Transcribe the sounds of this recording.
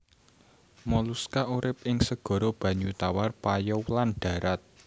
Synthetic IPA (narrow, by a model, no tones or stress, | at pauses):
mɔluskaʔuɾɪp̚ɪŋsəɡ̥ɔ̤ɾɔb̥ä̤ɲut̪awarpajɔwlanɖ̥a̤ɾat̪̚